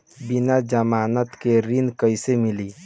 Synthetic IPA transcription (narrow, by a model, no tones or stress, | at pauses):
binad͡ʒəmaːnət̪keɾinkəɪsemili